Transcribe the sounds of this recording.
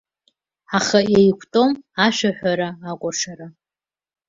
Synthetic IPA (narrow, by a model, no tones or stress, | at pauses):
aχajejkʷʰtʼo̞maʃʷᶣaħʷᶣaɾaːkʷʼaʂaɾa